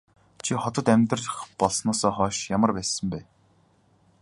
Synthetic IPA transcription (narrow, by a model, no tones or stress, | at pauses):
t͡ɕʰiχɔt̪ɞ̆t̪æmʲt̪rə̆ɮə̆χpɔɮsnɔːsɔːχɔːʃjamə̆rpæːsə̆mpæː